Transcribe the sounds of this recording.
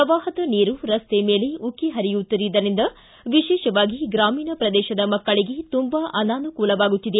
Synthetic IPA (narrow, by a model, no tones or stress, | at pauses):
ɾɐʋaːɦɐt̪ɐniːɾuɾɐst̪emeːleukːiɦɐɾijut̪ːiɾid̪ɐɾind̪ɐ | ʋiʃɛːʃɐʋaːɡiɡɾaːmiːnɐpɾɐd̪ɛːʃɐd̪ɐmɐkːɐɭiɡe̞t̪umbaːʔɐnaːnukuːlɐʋaːɡut̪ːid̪e